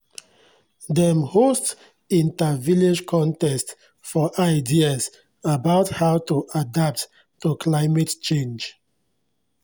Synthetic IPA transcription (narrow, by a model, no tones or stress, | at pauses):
dɛmhost | ĩntaviled͡ʒkʰɔ̃ntɛst | fɔʔaɪdias | abaʊthaʊtuʔadap̚t | tukʰlaɪmɛtt͡ʃẽnd͡ʒ